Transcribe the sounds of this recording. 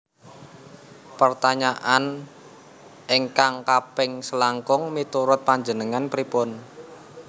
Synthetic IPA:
pərt̪aɲaʔan | ʔeŋkaŋkapɪŋsəlaŋkʊŋmit̪uɾʊt̪̚paɲd͡ʒənəŋanpɾipʊn

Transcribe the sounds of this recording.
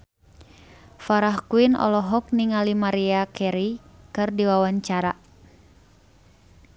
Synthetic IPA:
faɾahkuinɔ̰lɔɦɔk̚niŋalimaɾiakʰɛɾikɨrdiwawaɲt͡ʃaɾa̰

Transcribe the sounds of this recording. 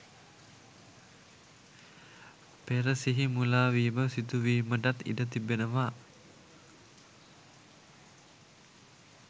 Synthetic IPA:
peɾəsiɦimulawiməsit̪uwimədat̪ḭdət̪ibənəma

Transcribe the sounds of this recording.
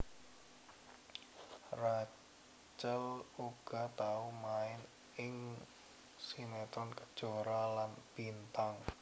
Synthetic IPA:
ra | t͡ʃəluɡ̥a̤t̪aumaɪn | ɪŋ | sinet̪ɔnkəd̥ʒ̥o̤ɾalanb̥int̪aŋ

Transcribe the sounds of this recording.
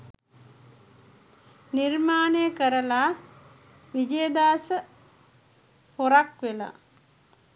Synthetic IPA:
nirmaːnejəkəɾəla | ʋid͡ʒejəd̪aːsə | hoɾakʋela̰

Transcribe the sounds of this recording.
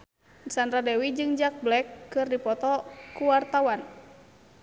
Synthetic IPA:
sandɾadɛwid͡ʒɨŋd͡ʒak̚blɛkːɨrdipɔt̪ɔkuwart̪awan

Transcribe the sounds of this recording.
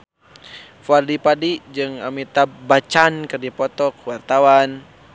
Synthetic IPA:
fardipadid͡ʒɨŋa̰mit̪abat͡ʃankɨrdipɔt̪ɔkwart̪awan

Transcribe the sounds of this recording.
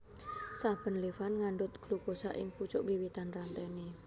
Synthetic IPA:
sab̥ə̤nlefanŋaɳɖʊt̪̚ɡ̥lukosa̰ʔɪ̰ŋput͡ʃʊʔbiwit̪anrant̪ɛni

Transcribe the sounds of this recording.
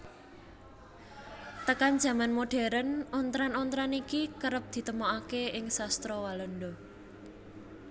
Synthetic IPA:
t̪əkan̥ʒ̥ä̤manmoɖ̥e̤ɾənɔnt̪ɾanɔnt̪ɾanikikəɾəp̚d̪̥i̤t̪əmɔakeɪŋsast̪ɾɔwalənɖɔ

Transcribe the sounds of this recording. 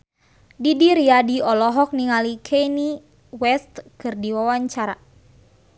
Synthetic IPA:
didiɾiadiɔlɔɦɔk̚niŋalikʰɛni | wɛst̪kɨrdiwawaɲt͡ʃaɾa

